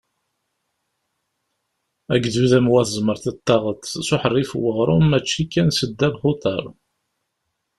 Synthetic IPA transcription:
æɡðuðəmwæθəzməɾθət̪ːɑʁət̪ˤːsʊħərːifwəʁɾˤʊmæt͡ʃːikːænsəd̪ːæðχʊt̪ˤɑ̰ɾˤ

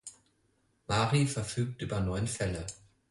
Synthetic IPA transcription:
maːʁifɛɐfyːk̚tʔyːbɐnɔʏənfɛlə

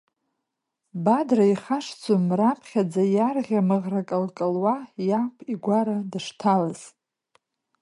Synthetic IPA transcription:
badraiχaʂt͡sʰumrapʰχʲad͡zajarʁʲamɨʁrakʼɨlkʼəlwajapʷʰiɡʷaɾadaʂtʰalaz̥

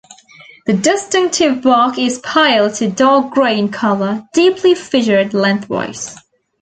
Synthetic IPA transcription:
ðɨdɪstɪ̃ŋk̚tʰɪvbɑˑkɪz̥pʰaɪlˠd̚tʰədɑɡɹẽɪ̃nkʰʌlˠəd̥iˑpʰlifɪʒə˞dˡlɛ̃nθwa̰ɪs

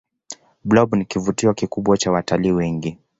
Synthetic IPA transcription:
blɔbnikivutiɔkikuɓwat͡ʃawataliːwɛŋɡi

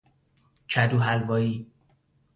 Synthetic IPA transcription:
cʰæd̪uɦælvɒːi

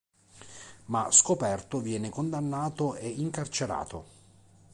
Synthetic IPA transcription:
maskopɛrt̪ovjɛːnekond̪anːaːt̪oeiŋkart͡ʃeɾa̰ːt̪ʰo̰

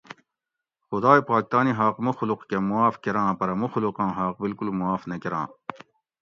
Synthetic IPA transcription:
xʊd̪aːipaːkt̪aːniɦaːqmuxluqkemuaːfkeɾãːpɐɾɐmuxluqɑ̃ːɦaːq̚bilkulmuwaːfnɐkeɾã̰ː

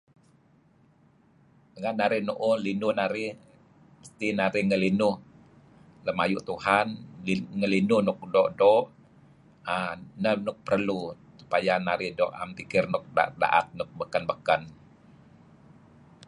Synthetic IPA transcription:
dəŋannːaɾɪhnuʔʊhlinʊhnaɾɪh | məst̪ihnaɾɪhŋəlinʊh | ləmajuʔt̪uhanŋəlinʊhnʊk̚dɔʔdɔʔ | anənʊk̚pərlu | su̥pajanaɾɪhdɔʔa̰mpikɪrnʊk̚da̰da̰ʔa̰t̪̚nʊk̚bəkənbəkən

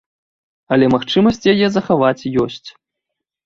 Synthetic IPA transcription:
ɐlʲɛmaxt͡ʂɨmɐsʲt͡sʲjajɛzɐxavat͡sʲjɔsʲt͡sʲ

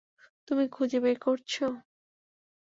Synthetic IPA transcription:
t̪umikʰud͡ʑebejkoɾt͡ɕʰo

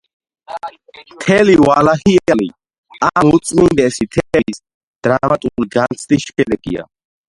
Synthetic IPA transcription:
mt̪ʰɛliwalahiɛalḭ | amut̪sʼmind̪ɛsit̪ʰɛis | d̪̥ɾamat̪ʼuɾiɡant̪sʰd̪isʃɛd̪ɛɡḭa̰

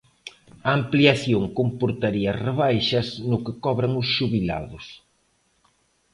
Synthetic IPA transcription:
ɐːmpliaθjoŋkompoɾt̪aɾiɐreβajʃɐsnʊkɪkɔβɾɐŋʊsʃuβila̰ðʊs

